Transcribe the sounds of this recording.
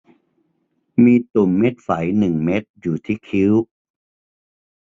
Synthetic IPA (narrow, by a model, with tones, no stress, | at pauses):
miː˧t̪u˨˩mːe˦˥t̪̚fa˩˦jnɯ˨˩ŋme˦˥t̪̚juː˨˩t̪ʰiː˦˥˩kʰi˦˥w